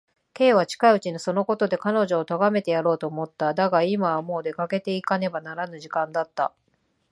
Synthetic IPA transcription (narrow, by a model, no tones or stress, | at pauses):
ke̞ːβ̞at͡ɕi̥kaiɯ̟t͡ɕinoso̞no̞ko̞t̪o̞d̪e̞kano̞ʑo̞ːt̪oɡame̞t̪e̞jaɾo̞ːt̪o̞ːmo̞t̪ːad̪aɡaimaːmo̞ːd̪e̞kake̞t̪e̞ikane̞banaɾanɯ̟ʑikãnd̪at̪ːa̰